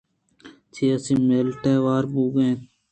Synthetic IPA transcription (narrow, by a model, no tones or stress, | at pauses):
t͡ʃʰiːəsĩːmeːlʈeːʋaːɾpuːɡẽːt̪